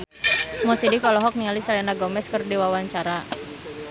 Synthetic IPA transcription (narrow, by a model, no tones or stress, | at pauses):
mɔsidikɔlɔɦɔk̚niŋalisalɛnaɡɔmɛskərdiwawaɲt͡ʃaɾa